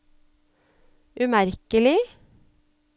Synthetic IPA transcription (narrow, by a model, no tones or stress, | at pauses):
ʔʉmæɾkəlɪ